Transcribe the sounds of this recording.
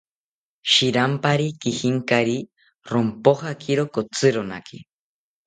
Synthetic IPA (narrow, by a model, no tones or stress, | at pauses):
ʃiɾampaɾikihiŋkaɾi | ɾompoɦakʰiɾokot͡sɨɾona̰kʰi